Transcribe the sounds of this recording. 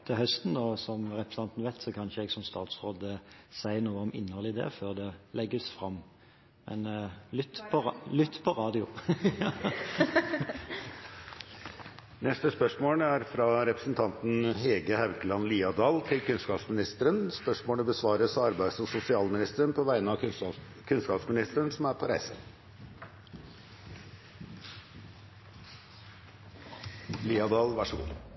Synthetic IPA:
t̪ʰɪhœst̪nɔsɔmɾɛpɾəsɑnt̪nʋæɪt̪sɔkʰɑnʃəɛɡsɔmst̪ɑːt̪sʁoːd̪əsæɪənuːəɔmɪ̰nːhɔlɪd̪ɛ̰føːʁd̪ɛlɛɡːəsfʁɑmː | mʔɛ̰nlʏt̪ːpʰɔlʏt̪ːpʰɔɾɑːd̪ɪʊ | nɛst̪əspœʂmoːləæɾfɾɑɾɛpɾəsn̩t̪ʰɑnt̪n̩ɦeːɡəhæʋkəlɑnliːɑd̪ɑːlt̪ʰɪlkʉnskɑːpsmɪnɪst̪əɾənspœʂmoːɳəbəsʋɑːɾəsɑɾbæɪsɔsʊsɪɑːlmɪnɪst̪əɾənpʰɔʋæɪnəɑ | kʰʉnskɑːpsmɪnɪst̪əɾəɳsɔmæɾpʰɔɾæɪsə | liːɑd̪ɑːlʋɑʂəɡṵː

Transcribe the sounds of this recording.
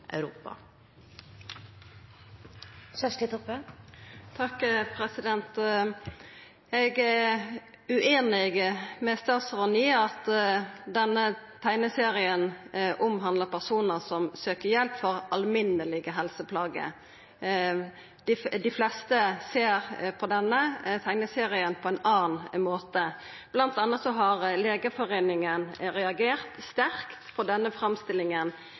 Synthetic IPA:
ʔæ̰ʉɾuːpɑ̰ | sœʃlit̪əpø | t̪ʰɑkpʰɾɛsɪd̪ɛnt̪ | ɛɡæ | ʉʔeːnɪɡmɛst̪ɑsʁɔniːɑt̪d̪ɛnət̪ʰæɪnəseːɾɪənʔʊmɦɑnd̪əpʰæʁsuːnəsɔmsøːkəjɛlpfɔɾɑlmɪnːəlɪɡəɦɛlsəpʰlɑːɡə̰ | d̪̥ɪd̪ɪflɛst̪əseːɾpʰɔd̪ɛnːət̪ʰæɪnəseːɾɪənpʰɔɛɪnɑːnmoːt̪ə | b̥lɑnt̪ɑnːət̪sɔɦɑɾleːɡəfɔɾeːnɪŋənɾɛɑɡeːʁt̪st̪æɾkt̪pʰɔd̪ɛnːəfɾɑmst̪ɪlɪŋən

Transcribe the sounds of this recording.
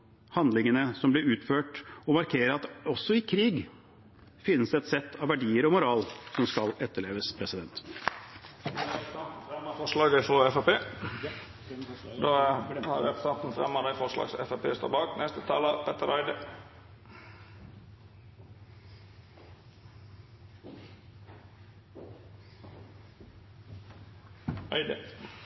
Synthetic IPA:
hɑnd̪lɪŋənəsɔmblɪɾʉːt̪føːʈɔmɑɾkʰeːɾəɾɑt̪ɔsːɔɪkʰɾiːɡ | fɪnːəsd̪ɛɛt̪sɛt̪ʰːɑʋʋæɖiːəɾɔmʊɾɑːlsɔmskɑlɛt̪ːəɭeːʋəspʰɾɛsɪd̪ɛnt̪ | t̪n̩fɾɛmːəfɔʂlɑːɡəɪfɾoɛfɑpeː | d̪ohɑ̰ɾʋɛpst̪ɑnt̪n̩fɾɛ̰mːɑd̪ɛɪfɔʂlɑ̰ːɡsɛ̰fæpʰḛːst̪o̰ːbɑːknɛst̪ət̪ʰɑːləpʰɛt̪əɾæɪd̪ə | ɑɪd̪ə

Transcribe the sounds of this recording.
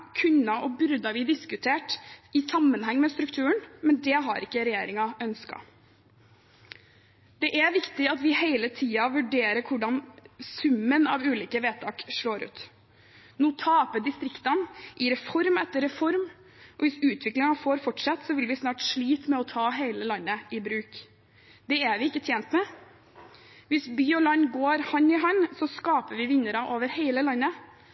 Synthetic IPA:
kʰʉnɑʔɔbʏɾd̪ɑʋɪd̪ɪskʉt̪ʰeːʈɪsɑmːənɦɛŋːmɛst̪ɾʉkt̪ʰʉːəɳmɛnd̪ɛɦɑ̰ɾɪkːəɾɛjeːɾɪŋɑœnskɑ̰ | d̪̥ɛʔæʋɪkt̪ɪɑt̪ʋɪheɪlət̪ʰiːɑʋʉɖeːɾəɾkʰʊɖɑnsʉmːənɑ̰ʋʉːliːkəʋeːt̪ʰɑ̰ːkʂɭoːɾʉ̰ːt̪ | nuːt̪ʰɑːpəd̪ɪst̪ɾɪkt̪ɑnʔɪɾɛfɔɾmɛt̪ːəɾɛfɔɾm | ʔɔʋɪsʉːt̪ʰʋɪklɪŋɑfoːɾfɔʈʂɑt̪ːsɔʋɪlʋɪsnɑːʈʂɭiːt̪mɛɔt̪ʰɑːɦeɪləlɑnːəɪbɾʉːk | d̪ɛæʋɪɪkːət̪ʰjɛːnt̪mɛ | ʋɪsbyːɔlɑnːɡoːɾhɑnːɪɦɑnːsɔskɑːpəʋɪʋɪnːəɾɑʔoːʋəɾheɪləlɑnːə

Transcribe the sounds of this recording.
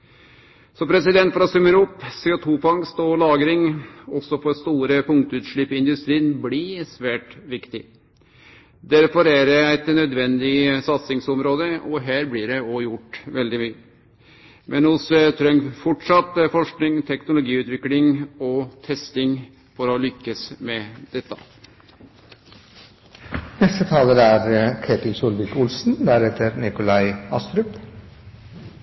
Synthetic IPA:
sɔpʰɾɛsɪd̪ɛnt̪fɾɑsʉmːəɾʊpːseːʊt̪ʰuːfɑŋst̪ɔlɑːɡɾɪŋɔsɔfɔɾst̪uːɾəpʰʊŋkt̪ʉːt̪ʂɭɪpːɪɪnd̪ʉst̪ɾiːnblɪsʋæːʈʋɪkt̪ɪ | d̪æɾfɔɾæɾɛæɪt̪nœd̪ʋɛnd̪ɪsɑt̪sɪŋsɔmɾoːd̪əɔɦæːɾblɪɖɛɔjʊʈːʋɛld̪ɪmyːə | mʔɛnhʊst̪ʰɾœŋfɔʈʂɑt̪ːfɔʂknɪŋt̪ʰɛknʊlʊɡiːʉːt̪ʋɪklɪŋɔt̪ʰɛst̪ɪŋ | fɔɾɔlʏkːəsmɛd̪̥ɛt̪ːɑ | nɛst̪ət̪ʰɑːləɾæɾkʰeːt̪ɪlsʊlʋɪkʊlsn̩d̪æɾɛt̪əɾnɪkʊlæɪɑst̪ɾʉp

